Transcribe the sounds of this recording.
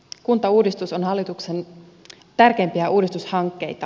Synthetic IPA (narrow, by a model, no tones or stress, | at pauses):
kunt̪ɑuːdist̪usonɦɑlːit̪ukse̞n | t̪ærkeːmpiæʔuːdist̪ushɑŋkːe̞jt̪ɑ